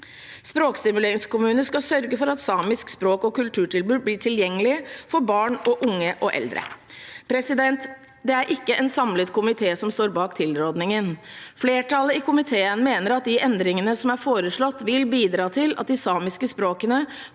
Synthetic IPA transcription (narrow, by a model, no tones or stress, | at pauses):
spɾoːkst̪ɪmʉleːɾɪŋskʊmʉːnəskɑsœɾɡəfɔɾɑt̪sɑːmɪskspɾoːkɔkʉlt̪ʰʉːʈɪlbʉːblɪːʈʰɪljɛŋːəlɪfɔɾbɑːɳɔʔʊŋːəʔɔʔɛ̰ld̪ɾə̰pʰɾɛsɪd̪ɛnt̪ | d̪ɛæɾʔɪkːəʔɛnsɑmlət̪kʰʊmɪt̪ʰeːsɔmst̪oːɾbɑːkt̪ʰɪlɾoːd̪nɪŋənfleːʈʰɑləɪkʊmɪt̪ʰeːənmeːnəɾɑt̪̚d̪ɪʔɛnd̪ɾɪŋənəsɔmæɾfoːɾəʂɭɔt̪ːʋɪlbiːd̪ɾɑːt̪ʰɪlɑt̪̚d̪ɪsɑːmɪskəspɾoːkənə